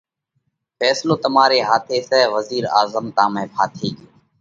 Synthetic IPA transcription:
fɛːsloːt̪əmaːɾeːɦaːt̪ʰeːsɛːʋəziːɾaːzəmt̪ãːmẽːpʰaːt̪ʰiːɡeː

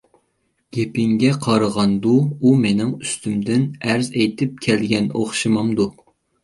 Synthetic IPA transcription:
ɡ̥ʲepɪŋɡʲɛqʰɑɾəʁɑnd̪uumenɪŋyst̪ʰymd̪ɪnæɾzɛjt̪ʰɪp̚kʲʰɛlɡʲɛno̰χʃɨmɑmd̪u

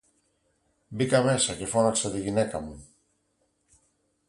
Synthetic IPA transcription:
bikamɛsakefɔnasaðeɣinɛkamu

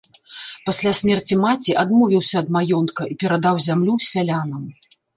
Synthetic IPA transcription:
pasʲlʲasʲmʲɛrt͡sʲimat͡sʲiʔad̪mɔvʲiwsʲɐːd̪majɔnt̪kɐipʲɛɾad̪awzʲamlʲusʲalʲanɐm

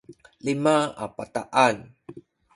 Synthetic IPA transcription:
limaapat̪aʔan

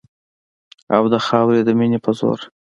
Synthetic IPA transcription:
awd̪əxɑwɾed̪əminepʰəzo̰ɾ

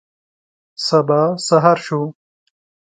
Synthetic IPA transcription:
sɐbasaɦaɾʃu

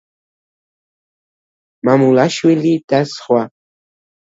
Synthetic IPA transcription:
mamulaʃwilit̪asχwa

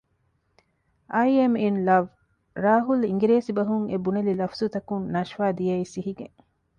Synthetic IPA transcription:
ʔɐjieminlɐʋ | ɾaːɦuliŋɡiɾeːsibɐɦuŋebunelilɐfzut̪ɐkunnɐʃʋaːd̪ijɐisiɦiɡeŋ

